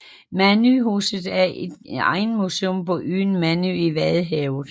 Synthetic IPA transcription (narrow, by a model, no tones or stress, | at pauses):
mænyɦuːsð̩ˠæɐed̥ɑ̰̈ɪn̩museɔmpɒ̽ʔyːnmænyiʋæðˠɦɛʊð̩ˠ